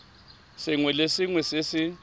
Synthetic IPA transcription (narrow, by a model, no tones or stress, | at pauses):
sɪŋwɛlesɪŋwɛsɪsɪ